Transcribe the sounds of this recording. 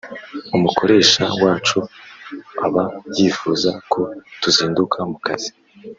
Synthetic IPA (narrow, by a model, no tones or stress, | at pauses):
umukʰo̞ɾe̞ːʃa̰waːt͡ʃu | a̰βajiːfuzakʰo̞tuziːndukʰamukaz̥i̥